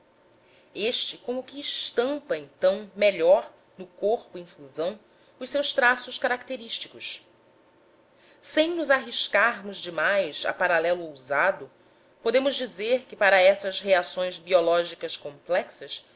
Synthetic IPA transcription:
eʃt͡ʃɪkõmʊkɪːʃt̪ɐ̃mpɐẽj̃t̪ɐ̃w̃meʎɔɾ | nʊkoχpʊĩfuzɐ̃w̃ | ʊʃsewst̪ɾasʊʃkaɾak̚t̪eɾiʃt͡ʃi̥kʊs | sẽj̃nʊzaɦiʃkaɾmʊzd͡ʒɪmajza̰paɾalɛlʊowzad̪ʊ | pod̪ẽmʊʒd͡ʒizeɾkɪpaɾɐɛsɐzheasõj̃zbiɔlɔʒikɐʃkõplɛksɐs

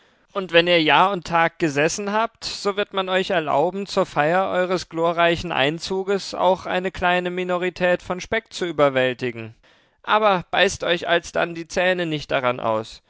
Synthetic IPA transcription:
ʔʊntv̥ɛniːɐjaːɐʊntʰːaːk̚ɡ̥əzɛsn̩ɦaːp̚tz̥oːvɪɐtmanɔʏçɛɐla̰ʊbm̩t͡suːɐfaɪɐʔɔʏʁ̞əsɡ̥loːɐʁaɪçn̩ʔa̰ɪnt͡suːɡəsa̰ʊxʔa̰ɪnəkl̥aɪnəminoʁ̞itʰɛːtfɔnʃpɛk̚t͡suʔyːbɐvɛltɪɡŋ̩ | ʔaːbɐb̥aɪstʔɔʏça̰lsd̥a̰ndiːt͡sɛːnənɪçt̚d̥aʁanʔa̰ʊs

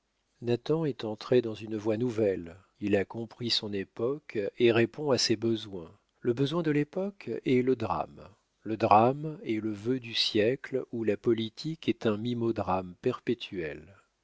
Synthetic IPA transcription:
nat̪ɑ̃ɛt̪ɑ̃t̪χed̪ɑ̃zynvwanuvɛl | ilakɔ̃pχisɔ̃nepɔkeʁepɔ̃asebəzwɛ̃ | ləbəzwɛ̃d̪əlepɔkɛləd̪ʁa̰m | ləd̪ʁamɛləvød̪ysjɛklulapɔlit̪ʰikɛt̪ɛ̃mimɔd̪ʁampɛʁpet̪ʰyɛl

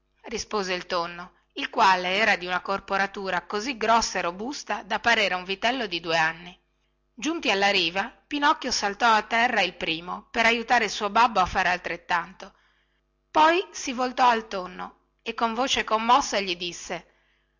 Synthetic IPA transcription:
rispoːzeilt̪onːo | ilkwaːleɛːɾad̪iunakorpoɾat̪uːɾakoziɡɾɔsːaerobust̪ad̪apːaɾeːɾeuɱvit̪ɛlːod̪id̪uːeanːi | d͡ʒunt̪ialːaɾiːvapinɔkːjosalt̪ɔat̪ːɛrːailpɾiːmopeɾajut̪aːɾeilsuːobabːoafːaːɾealt̪ɾet̪ːant̪o | pɔjsivolt̪ɔalt̪onːo | ekːoɱvoːt͡ʃekomːɔsːaʎid̪isːe

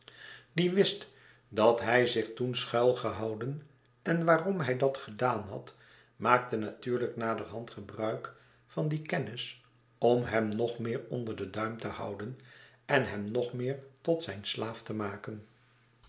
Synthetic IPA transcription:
diʋɪst | dɑtɦɛjzɪχtunsχœlˠχəɦɑwdən | ɛnʋaːrɔmɦɛjdɑtχədaːnɦɑ̰t | maːk̚tənatyːɹləknaːdərɦɑntχəbrœɥk | fɑndikɛnɪs | ɔmɦɛmnɔχmɪːɹɔndəɹdədœɥmtəhɑ̰wdənɛnɦɛmnɔχmɪːɹtɔtsɛjnslaːftəmaːkən

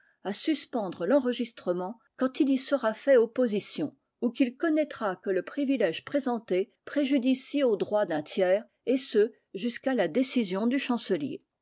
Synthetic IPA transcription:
asyspɑ̃d̪ʁəlɑ̃ʁəʒist̪χəmɑ̃ | kɑ̃t̪ilisəʁafɛopozisjɔ̃ | ukilkɔnɛt̪χakələpχivilɛʒpχezɑ̃t̪epχeʒyd̪isiod̪ʁwad̪ɛ̃t̪jɛːʁ | esə | ʒyskalad̪esizjɔ̃d̪yʃɑ̃səljḛ

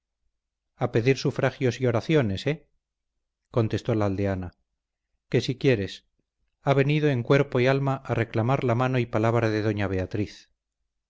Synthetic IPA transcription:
ape̞ðiɾsufɾaxjo̞sio̞ɾaθjo̞ne̞se | ko̞nt̪e̞st̪o̞laːld̪eana | ke̞sikje̞ɾe̞s | aβe̞niðo̞e̞ŋkwe̞ɾpo̞ialmaʔarʔe̞klamaɾlamano̞ipalaβɾaðe̞ðo̞ɲaβ̞e̞at̪ɾiθ

